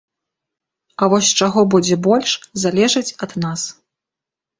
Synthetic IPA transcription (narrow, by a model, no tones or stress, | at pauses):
ɐvɔsʲt͡ʂaɣɔbud͡zʲɛbɔlʲʂzalʲɛʐɐt͡sʲɐd̪nas